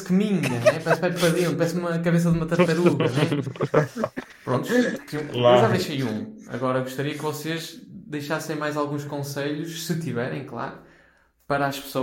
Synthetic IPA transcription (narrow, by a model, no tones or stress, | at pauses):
skɨmiɲɐnɛpɐɛspɛpɐðĩpɐɾɛsnumɐkɐβes̬ɐðumɐt̪ɐt̪ɐɾuɣɐɐnɛ | pɾõnt̪uʃt̪ĩũlewʒaðejʃɐjũɐ̰ɣɔɾɐɣuʃt̪ɐɾiɐkvɔseʒd̪ɐjʃasɐ̃j̃majzalˠɣũʃkõseʎuʃsɨt̪ivɛɾɐ̰̃j̃klˠa̰ɾu | pɐɾaʃpɨ̥so